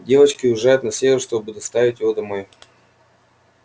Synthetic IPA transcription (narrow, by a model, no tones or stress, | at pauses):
dʲe̞vət͡ɕkʲɪʊɪʐajʊt̪nɐsʲevʲɪɾrʂt̪obɨd̪ɐst̪avʲɪtʲjɪvod̪ɐmo̞j